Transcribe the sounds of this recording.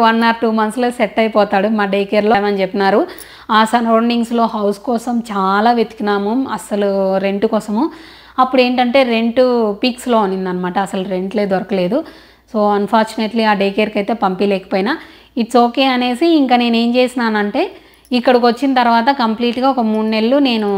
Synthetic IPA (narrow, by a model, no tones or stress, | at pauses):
ʋɐnːaːɾʈuːmɐnsloːseʈːɐjpɔːt̪aːɽumaːɖeːkeːɾloːmɐnit͡ʃepːinaːɾu | aːsɐnoːɳɖiŋɡslo̞ːɦɐwskɔːsɐmt͡ʃaːlaːʋjet̪i̥kinaːmɐmɐsɐluɾe̞ɳʈukɔːsɐmu | ɐpːuɽe̞ːɳʈɐɳʈe̞ːɾe̞ɳʈupiːkslo̞ːɐnind̪ɐnːɐmaːʈɐːsɐluɾe̞ɳʈle̞ːd̪ʋɐɾɐkɐle̞ːd̪u | soːɐnpʰaːɾt͡ʃuneʈliaːɖejkeɾkɐjt̪e̞ːpɐmpilɛːkɐ̥poːjina | iʈsoːke̞ːɐne̞ːsiiŋkaːne̞ːne̞ːmt͡ʃe̞ːsinaːnɐɳʈe̞ː | ikːɐɽɐkʋɐt͡ʃːinɐt̪ɐɾuʋaːt̪ɐkɐmpliːʈɡaːɔkɐmuːɳne̞lːune̞ːnu